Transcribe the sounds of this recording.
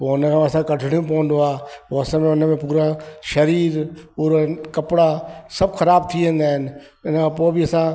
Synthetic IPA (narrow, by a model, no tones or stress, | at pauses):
poːnaɾãəsãːkəʈʰɽiõp̬ɔ̃ːnd̪oaːoːəsãːmẽʊnːmẽːpuːɾãːʃəɾiːɾʊːɾkəpɽaːsəbkʰəɾaːb̚t̪ʰiːɦẽːnd̪aːɦɪn | ɪnãpoːbiəsãː